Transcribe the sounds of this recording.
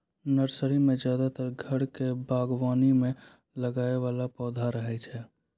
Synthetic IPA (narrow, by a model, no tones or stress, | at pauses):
nəɾsəɾimẽzd͡ʒjaːd̪at̪əɾɡʱəɽkebaːɡwaːnimẽ | ləɡaːeʋaːlapɔːd̪ʱaɾəɦɛt͡ʃʰɛː